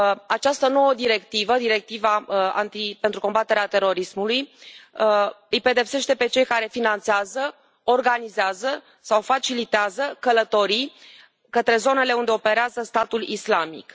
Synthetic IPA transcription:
at͡ʃast̪əno̞wəd̪iɾe̞kt̪ivəd̪iɾe̞k̚t̪ivaa̰nt̪ipent̪ɾuko̞mbat̪e̞ɾeat̪e̞ɾo̞ɾismuluj | ɨjpe̞d̪e̞pse̞ʃt̪e̞pe̞t͡ʃe̞jkaɾe̞finant̪seazə | o̞rɡanizeazə | sawfat͡ʃilit̪eazəkələt̪o̞ɾi | kət̪ɾe̞zo̞ne̞le̞und̪e̞ope̞ɾeazəst̪at̪ulislamḭk

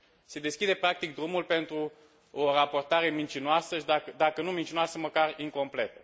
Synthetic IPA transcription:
se̞d̪e̞skʲid̪e̞pɾakt̪ik̚d̪ɾumulpe̞nt̪ɾu | orapo̞rt̪aɾe̞mint͡ʃinoasəʃid̪akəd̪akənumint͡ʃinoasəməkariŋko̞mple̞t̪ə

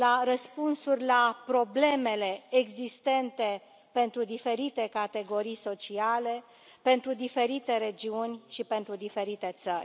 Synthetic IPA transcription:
laɾəspunsurʲlapɾo̞ble̞me̞le̞ːɡzist̪e̞nt̪e̞ | pe̞nt̪ɾud̪ife̞ɾit̪e̞kat̪e̞ɡo̞ɾijso̞t͡ʃiale̞ | pe̞nt̪ɾud̪ife̞ɾit̪e̞ɾe̞d͡ʒiunʲʃipe̞nt̪ɾud̪ife̞ɾit̪e̞t̪sərʲ

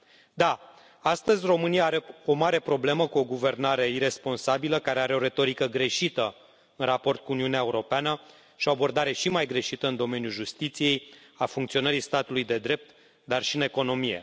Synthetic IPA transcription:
d̪a | ast̪əzʲro̞mɨnijaaɾe̞o̞maɾe̞pɾo̞ble̞məkuo̞ɡuve̞rnaɾe̞iɾe̞spo̞nsabiləkaɾe̞aɾe̞o̞ɾe̞t̪o̞ɾikəɡɾe̞ʃit̪ə | ɨnrapo̞rt̪̚kuuniuneae̞uɾo̞peanə | ʃio̞abo̞rd̪aɾe̞ʃimajɡɾe̞ʃit̪əɨnd̪o̞me̞njulʒust̪it̪sije̞j | afuŋkt̪sio̞nəɾist̪at̪ulujd̪e̞d̪ɾe̞p̚t̪ | d̪arʃiɨne̞ko̞no̞mije̞̰

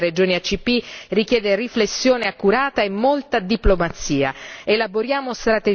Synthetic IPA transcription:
red͡ʒoːniat͡ʃːipːirikjɛːd̪eriflesːjoːneakːuɾaːt̪aemːolt̪ad̪iplomat̪siːa̰elaboɾjaːmost̪ɾat̪e

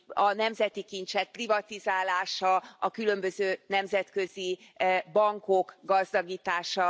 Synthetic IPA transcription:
ɒnɛmzɛt̪ikint̪t͡ʃɛk̚privɒt̪izaːlaːʃɒɒkylø̞mbøzøːnɛmzɛt̪kø̞zibɒŋko̞kɡɒzd̪ɒɡiːt̪aːʃɒ

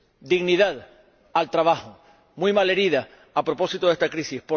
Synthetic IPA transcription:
d̪iɣniðað | alt̪ɾaβaho | mujmale̞ɾiða | apɾo̞po̞sit̪oe̞st̪akɾisihpo

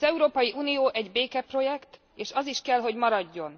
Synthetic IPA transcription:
ɛuɾoːpɒjiʔuːnijoːʔɛɟbeːkɛpro̞jɛkt̪ | eːʃɒziʃkɛlɦo̞ɟmɒɾɒɟːo̞n

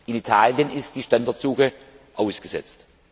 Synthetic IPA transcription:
ʔɪnitʰaːljənɪst̚d̥iːʃtandaɐtz̥uːxə | ʔaʊsɡ̥əzɛ̰t͡st

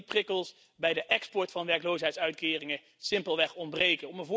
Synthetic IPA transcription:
prɪkəlˠs | bɛjdəʔɛkspɔɹtfɑnʋɛɹklowsɦɛjtsœɥtkɪːrɪŋə | sɪmpəlˠʋɛχɔnbrejkənɔməvʊ

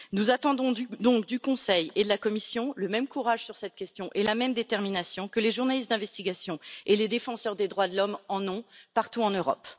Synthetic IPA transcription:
nuzat̪ɑ̃d̪ɔ̃d̪ɔ̃kd̪ykɔ̃sɛjed̪əlakɔmisjɔ̃ləmɛmkuʁaʒsyʁsɛt̪kʲɛst̪jɔ̃ʔelamɛmd̪et̪ɛʁminasjɔ̃kəleʒuʁnalist̪d̪ɛ̃vɛst̪iɡʲasjɔ̃eled̪efɑ̃sœʁd̪ed̪ʁwad̪əlɔmɑ̃nɔ̃paʁt̪uɑ̃nøʁɔ̰p

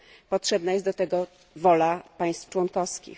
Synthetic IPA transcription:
pɔtʂɛbnajɛst̪d̪ɔt̪ɛɡɔ | vɔlapaj̃st̪ft͡ʂwɔnkɔfskʲḭ

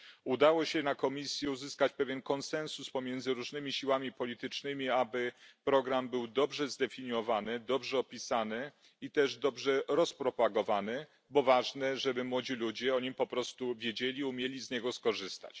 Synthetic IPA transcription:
ud̪awɔɕɛnakɔmʲisʲjɛuzɘskat͡ɕpɛvʲjɛnkɔnsɛnsuspɔmʲjɛnd̪zɘɾuʐnɘmʲiɕiwamʲipɔlʲit̪ɘt͡ʂnɘmʲiabɘpɾɔɡɾambɘwd̪ɔbʐɛzd̪ɛfʲiɲɔvanɘd̪ɔbʐɛɔpʲisanɘ | it̪ɛʐd̪ɔbʐɛɾɔspɾɔpaɡɔvanɘ | bɔvaʐnɛʐɛbɘmwɔd͡ʑilud͡ʑɛɔɲimpɔpɾɔst̪uvʲjed͡ʑelʲiumʲjelʲizɲɛɡɔskɔʐɘst̪a̰t͡ɕ

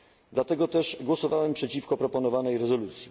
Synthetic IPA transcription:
d̪lat̪ɛɡɔt̪ɛʐɡwɔsɔvawɛmpʂɛt͡ɕifkɔpɾɔpɔnɔvanɛjɾɛzɔlut̪sʲji

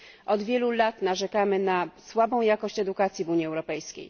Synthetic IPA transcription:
ʔɔd̪vʲjɛlulat̪naʐɛkamɘnaswabɔ̃w̃jakɔɕt͡ɕɛd̪ukat̪sʲjivuɲjiɛwɾɔpɛjskʲḛj

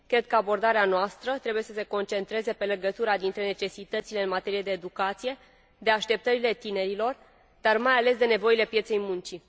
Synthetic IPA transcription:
kɾe̞d̪̚kəabo̞rd̪aɾeanoast̪ɾət̪ɾebuje̞səse̞ko̞nt͡ʃe̞nt̪ɾe̞ze̞pe̞le̞ɡət̪uɾad̪int̪ɾe̞ne̞t͡ʃe̞sit̪ət̪sile̞ɨnmat̪e̞ɾijed̪e̞ːd̪ukat̪sije̞ | d̪e̞aʃt̪e̞p̚t̪əɾile̞t̪ine̞ɾilo̞r | d̪̥armajale̞sd̪e̞ne̞vo̞ile̞pjet̪se̞jmunt͡ʃi

